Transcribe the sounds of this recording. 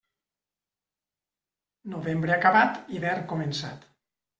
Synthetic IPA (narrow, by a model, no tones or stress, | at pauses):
noβembɾeakaβat̪iβɛɾkomensa̰t̪